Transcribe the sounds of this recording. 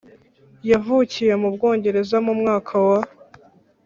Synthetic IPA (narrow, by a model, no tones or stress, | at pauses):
javuːcije̞mubɡo̞ːɲɟe̞ɾe̞zamumŋaːkʰawa